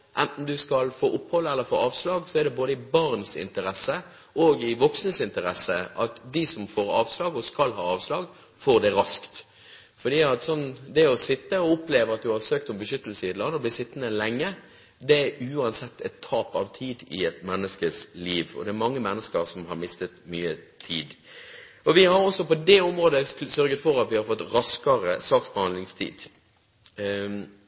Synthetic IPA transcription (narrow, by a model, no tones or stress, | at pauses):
ʔɛnt̪n̩d̪ʉskɑlfo̰ːʔʊphɔlːəɛlːəɾfo̰ːɑːʋslɑːɡsɔɛd̪ɛboːd̪əɪbɑɾnsɪ̰nt̪əɾɛsːə | ʔoːɡɪʋɔksnəsɪnt̪əɾɛsːəʔɑt̪d̪ɪsɔmfoːɾɑ̰ːʋslɑːɡɔskɑlɦɑ̰ːɑːʋslɑːɡ | foːʁd̪ɛɾɑskt̪ | fɔd̪iːɑt̪sɔnːd̪ɛɔsɪt̪ːəɔʊpleːʋəʁɑt̪̚d̪ʉhɑɾsøːkt̪ʊmbəʃʏt̪ːəl̩səɪɛt̪lɑnːɔblɪsɪt̪ːənəlɛŋːə | d̪ɛæɾʉːɑnsɛt̪ːɛt̪ʰːɑːpɑʋt̪ʰiːd̪ɪ̰ɛt̪mɛnːəskəsliːʋɔ̰d̪ɛːɾmɑŋːəmɛnːəskəɾsɔmhɑɾmɪst̪ət̪myːət̪ʰḭːd̪ | ɔʋɪhɑɾɔsːɔpɔd̪ɛʊmɾoːd̪əsœɾɡət̪fɔɾɑt̪ʋɪhɑɾfɔt̪ːɾɑskəɾəsɑːksbəhɑnd̪lɪŋst̪ʰḭːd̪̥